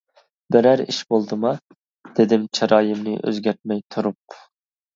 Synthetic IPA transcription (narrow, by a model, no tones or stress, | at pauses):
bɪɾæɾḭʃbolˠd̪ɨmɑ | d̪̥ed̪ɪmt͡ʃʰɑɾʔɑːjɨmnɪʔø̰zɡʲæɾt̪̚mɛjt̪ʰuɾup̚